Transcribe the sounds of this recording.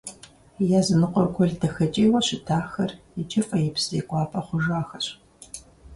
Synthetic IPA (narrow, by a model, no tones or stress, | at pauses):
jaːzɨnɨqʷɔrɡʷʰɔɮdɐxɐt͡ʃʼiːwɐɕɪtʰaːxɐrjɪt͡ʃʼɪfʼɐjɪbz̥ɐjkʷʼɑːpʼɐχʷʊʒaːxɐɕ